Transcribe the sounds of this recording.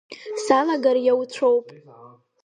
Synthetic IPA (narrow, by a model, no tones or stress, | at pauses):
salaɡarjawt͡ɕʷʰowpʼ